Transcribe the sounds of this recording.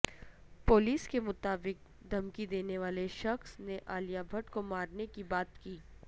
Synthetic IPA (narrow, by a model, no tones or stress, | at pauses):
poːliːskemʊt̪aːbɪk̚ | d̪ʱɐmkid̪eːneʋaːleʃɐxsneʔaːlijabʱɐʈkomaːɾnekibaːt̪kiː